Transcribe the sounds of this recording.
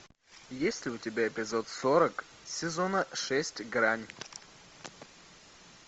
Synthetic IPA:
jesʲlʲɪʊtʲɪbʲaɪpʲɪzot̪soɾək | sʲɪzonəʂɛsʲtʲɡɾanʲ

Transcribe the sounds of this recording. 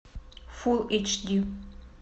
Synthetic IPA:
fulˠit͡ʃdu

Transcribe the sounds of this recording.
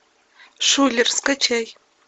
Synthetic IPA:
ʂʷuːɮɨrsqɐt͡ʃʰɐj

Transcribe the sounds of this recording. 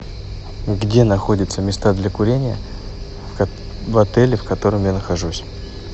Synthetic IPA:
ɡdʲe̞nɐxo̞dʲɪt̪səmʲɪst̪ad̪lʲɐkʊɾʲenʲɪjə | vɐt̪ɛlʲɪfkɐt̪o̞ɾəmjanəxɐʐusʲ

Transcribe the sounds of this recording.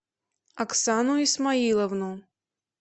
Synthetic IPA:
aksanuismailˠɐvnu

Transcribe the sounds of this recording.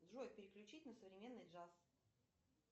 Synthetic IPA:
d̪ʐok̚pʲɪɾʲɪklʲʉt͡ɕitʲnəsəvɾʲɪmʲenːɨjdʐas

